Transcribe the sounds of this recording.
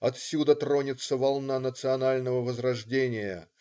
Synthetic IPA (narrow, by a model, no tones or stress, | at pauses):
ɐt̪sʲud̪ət̪ɾo̞nʲɪt̪səvɐlˠnanət̪sɨɐnalʲnəvəvəzɾɐʐdʲenʲɪjə̰